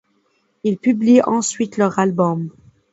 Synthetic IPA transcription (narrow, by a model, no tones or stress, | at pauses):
ilpybliɑ̃sɥit̪lœʁalbɔm